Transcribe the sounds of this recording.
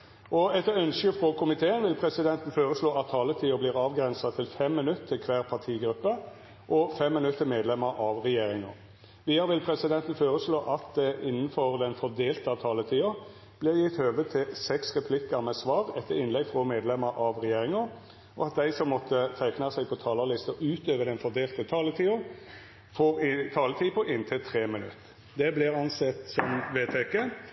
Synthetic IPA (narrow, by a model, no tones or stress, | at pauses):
ʔɔɛt̪ːəœnskəfʁoːkʰʊmɪt̪ʰeːənʋɪlpʰɾɛsɪd̪ɛnt̪n̩foːɾəsloːɑt̪ʰːɑːlət̪ʰiːʊbliːʁɑːʋɡɾɛnsɑt̪ʰɪlfɛmːɪnʉt̪t̪ʰːɪlkʰʋæːʁpʰɑʁt̪ʰiːɡɾʉpːə | ʔɔfɛmːɪnʉt̪ːəmeːd̪lɛmːəɾʔɑʋʁɛjeːɾɪŋɑ | ʋiːəɾʋɪlpʰɾɛsɪd̪ɛnt̪n̩foːʁəsloːʔɑt̪d̪ɛɪnːən̩fɔʁd̪ɛnfɔd̪eːlt̪əɑt̪ʰɑːlət̪ʰiːʊ | b̥lɪɾjɪt̪høːʋət̪ʰɪlsɛksʁɛpʰlɪkːəɾmɛsʋɑːʁɛt̪ʰːəɾɪnlɛɡfʁɔmeːd̪lɛməɾʔɑʋʁɛjeːɾɪŋɑ | ɔɑt̪̚d̪æɪsɔmːɔt̪ʰːət̪ʰæɪknɑsæɪpʰɔt̪ʰɑːləlɪst̪əʔʉːt̪øːʋəd̪ɛnfɔʁd̪eːlt̪ət̪ʰɑːlət̪ʰiːʊ | fɔʁɪt̪ʰɑːlət̪ʰiːpɔʔɪnt̪ʰɪlt̪ʰɾeːmɪnʉ̰t̪ː | d̪ɛblɪʁɑnsɛt̪sɔmʋeːt̪ʰɛkːə